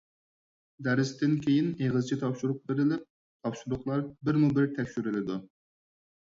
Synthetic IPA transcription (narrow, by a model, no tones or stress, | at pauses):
d̪æɾɪst̪ɪnkʲʰejineʁɨzt͡ʃʰit̪ʰɑpʃuɾʊq̚beɾɪlɪp̚ | t̪ʰɑpʃud̪ʊχlˠɑɾbɪɾmubɪɾt̪ʰɛkʲʃyɾɪlɪd̪u